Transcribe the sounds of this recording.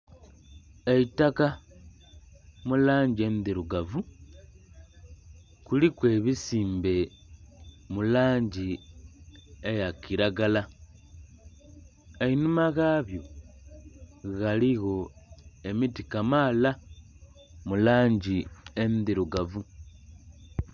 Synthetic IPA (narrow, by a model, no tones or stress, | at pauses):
eitaka | mulaːɲɟie̞ndiɾuɡavu | kulikwe̞ːβisiːmbe̞ | mulaːɲɟi | ejakiɾaɡala | einumaɣaβjo̞ | ɣaliɣo̞e̞mitikamaːla | mulaːɲɟiendiɾuɡavu